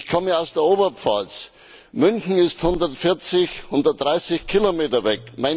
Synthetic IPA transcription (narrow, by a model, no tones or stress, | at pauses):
çkʰɔməaʊsd̥eːɐoːbɐp͡fa̰s | mʏnçn̩ɪsthʊndɐtfɪɐt͡sɪçhʊndɐtd̥ʁaɪsɪçkʰilomeːtɐvɛkmaɪ